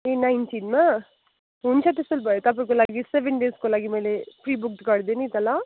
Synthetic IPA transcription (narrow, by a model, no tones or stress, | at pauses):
enajntiːnmã | ɦunt͡ʃʰat̪̬isulbʱɐjot̪ɐp̬aĩkolaːɡiseʋenɖeskolaːɡimɐjlepɾiːbuk̚ʈkɐɽd̪enit̪ɐla